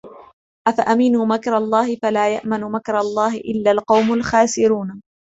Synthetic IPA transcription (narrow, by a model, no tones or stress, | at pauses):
ʔafaʔamɪnuːmakɾˤɑlˤːɑːhɪfalaːja̰ʔmanmakɾˤɑlˤːɑːhɪʔɪlːalqɑwmalxaːsɪɾuːn